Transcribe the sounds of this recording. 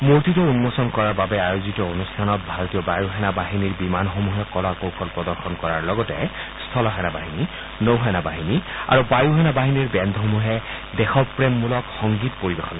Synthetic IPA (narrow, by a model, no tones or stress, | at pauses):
moɹtitɔunmɔsɔnkɔɹaɹbabɛajozitɔonustʰanɔt̚bʱaɹotijɔbajuɦɛnabaɦiniɹbimanxomuɦɛkɔlakowpʰɔlpɹɔdɔɹxɔnkɔɹaɹlɔɡɔtɛ̰stʰɔlɔɦɛnabaɦini | nowɦɛnabaɦinia̰ɹubajuɦɛnabaɦiniɹbɛndʱɦomuɦɛ | dɛxɔpɹɛmːulɔkxɔŋɡitpoɹibexɔn